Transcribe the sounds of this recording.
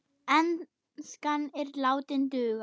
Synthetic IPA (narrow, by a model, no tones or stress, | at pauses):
ɛn | skanɛɾlaːwt̪ɪnt̪ʏːɣa